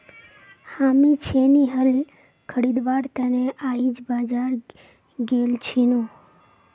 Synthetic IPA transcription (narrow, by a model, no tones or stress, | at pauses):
hamit͡ʃʰeniɦəl | kʰəɽid̪ʋaɾt̪əneʔaid͡ʒbad͡ʒaɾ | ɡelt͡ʃʰinũ